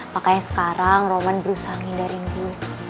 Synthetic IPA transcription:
makaɲasə̥kaɾaŋromanbəɾusaɦaŋindaɾint̪u

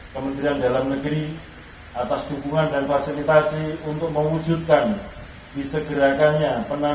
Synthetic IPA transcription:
kəmənt̪ɾiandalamnəɡɾi | ʔat̪asdubuŋandanfasilit̪asiunt̪ʊk̚məwu̥d͡ʒut̪̚kan | d̥isəɡəɾakaɲapəna

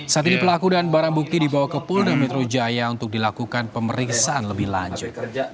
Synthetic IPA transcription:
sat̪inipəlakudanbaɾaŋbuk̚t̪idibawahkəpʊlnamɛt̪ɾod͡ʒajaunt̪ʊk̚dilakukanpəməɾiksaanləbɪhla̰ɲd͡ʒʊt̪̚

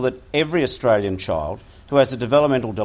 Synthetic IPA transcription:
ðɨɾɛvɹiɨstɹ̥eɪlˠjɨ̃nt͡ʃʰa̰ɪlˠd̥̚ | huɨzɨdɨvɛlˠəp̚mɛ̃ntˡl̩ˠdə

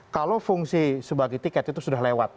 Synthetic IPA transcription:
kalofuŋsisəbaɡajt̪ikɛt̪̚it̪usudahlewat̪̚

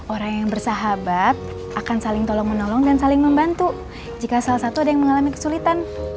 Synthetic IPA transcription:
ʔoɾaŋjaŋbərsaɦabat̪̚ | ʔakansalɪŋt̪olɔŋmənolɔŋdansalɪŋməmbant̪u | d͡ʒikasalahsat̪uadajaŋməŋalamikə̥sulit̪an

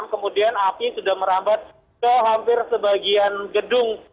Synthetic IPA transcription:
mkəmudianapisudahməɾambat̪̚ | səɦampɪrsəbaɡianɡədʊŋ

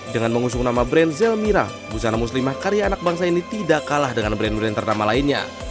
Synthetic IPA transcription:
dəŋanməŋus̬ʊŋnamabɾɛnzɛlmiɾa̰ | busanamus̬limahkaɾjaːnak̚baŋs̬ainit̪idakalahdəŋanbɾɛnbɾɛnt̪ərnamalainɲa̰

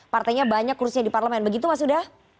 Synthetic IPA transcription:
part̪ajɲabaɲakːuɾʊsɲadiparləmɛnbəɡit̪umas̬udah

